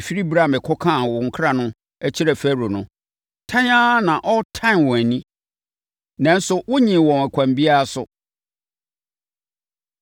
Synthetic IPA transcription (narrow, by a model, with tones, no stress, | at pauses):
fi˦ɾi˦bɾa˨mɪ̃˨kʰɔ˦kʰã˦˨wɔ˨ŋ̩˨kʰɾa˦nʊ̃˦ | æ˦t͡ɕʰi˦ɾæ˨fæ˦˨ɾo˨nʊ̃˦ | tʰã˦ɲã˦nã˨ʔɔ˦tʰã˦˨nwɔ̃˨æ˨nĩ˦ | nã˨n̩˦sʊ˨wʊ˦ɲĩ˨wɔ̃˨nɛ˨kʰʷã˨mbi˦a˦a˦˨sʊ˨